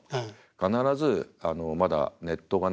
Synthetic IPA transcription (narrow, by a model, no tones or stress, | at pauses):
kanaɾazɨano̞mad̪a̰ne̞t̪ːo̞ɡan